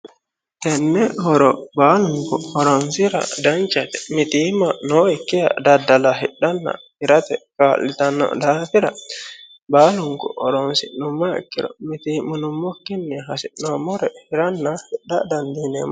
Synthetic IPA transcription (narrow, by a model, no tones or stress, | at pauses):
tɛnːɛhɔɾɔbaluŋkɔ̰hɔɾɔnsiɾa̰dant͡ʃat̪ɛmitimanɔɛkːija̰dadːalaɦiɗanːa̰hiɾat̪ɛkalitanːɔ̰danfiɾa̰ | baluŋkɔ̰ɔɾɔnsinumːaḭkːiɾɔ̰mitimunumːokːinːɛɦasinɔmɔɾɛhiɾanːahiɗːadandinɛ̰ma